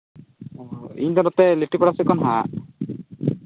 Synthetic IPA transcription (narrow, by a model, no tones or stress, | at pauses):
ḭɲd̪ɔnɔt̪ɛleʈipɔɽasɛkɔnɦa